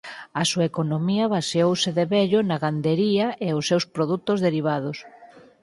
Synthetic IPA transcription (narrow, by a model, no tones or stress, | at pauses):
ɐsuaekonomiɐβaseowseðeβɛʎonaɣand̪eɾiɐeʊsːewspɾoðut̪ozðeɾiβ̞aðʊs